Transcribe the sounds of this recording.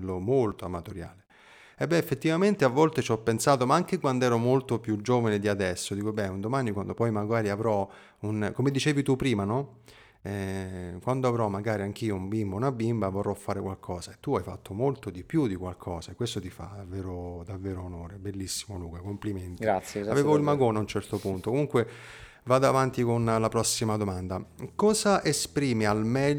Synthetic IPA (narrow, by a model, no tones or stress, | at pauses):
lːomolt̪oamːat̪oɾja̰ːle | ɛbːɛefːet̪ːivament̪eavːɔlt̪et͡ʃɔpːensaːt̪omaaŋk̟ekwand̪ɛːɾomolt̪opjud͡ʒːoːvaned̪iad̪ɛsːod̪iːkobɛund̪omaːnikwand̪opɔjmaɡwaːɾiavɾɔ | unkomed̪it͡ʃeːvit̪upːɾiːmanɔ | ɛkwand̪oavɾɔmaɡaːɾiaŋk̟iːoumbimbounabimbavorːɔfːaːɾekwalkʰɔːzaet̪ːuajfa̰t̪ʰːomolt̪od̪ipjud̪ikwalkʰɔːzaekwest̪ot̪ifa̰d̪avːeːɾod̪avːeːɾoːnoːɾebelːisːimoluːkakompliment̪iasaveːvoilmaɡoːnaunt͡ʃɛrt̪opunt̪okomuŋkwe | vaːd̪oavant̪ikonlapɾɔsːimad̪omand̪akɔːzaʔespɾiːmialmɛʎ